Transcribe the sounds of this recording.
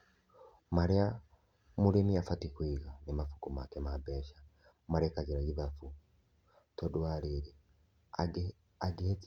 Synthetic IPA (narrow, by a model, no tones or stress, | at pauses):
maɾia | muliniafatikwiɣanimafu̥kumakemabeːʃḁ | maɾekaɟiɾaɡiβafu | todwaːliɾi | aɡihet͡s